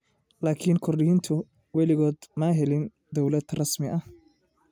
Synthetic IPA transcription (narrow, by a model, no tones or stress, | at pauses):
laːkʰiːnkʰɔrɗɪhiːnt̪ʰʊ | wɛlɪɣɔːd̪maːɦɛlɪn | d̪ɔwlɐd̪̥rɑsmɪʔɐh